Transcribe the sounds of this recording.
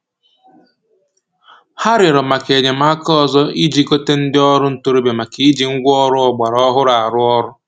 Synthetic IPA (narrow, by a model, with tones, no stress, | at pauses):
ha˦ɾɪ˨ɾɔ˨ma˨ke˨ɲe˨ma˦kɔ˨zɔ˦i˦d͡ʒi˦ko˦te˦n̩˦dɪ˦ɔ˦ɾʊ˦n̩˦tu˦ɾo˦be˨ma˨ki˦d͡ʒi˨ŋ̩˦ɡʷɔ˦ɾʊ˦ɔ˨ɡ͡ba˨ɾɔ˦ɦʊ˦ɾa˨ɾʊ˦ɔ˦ɾʊ˦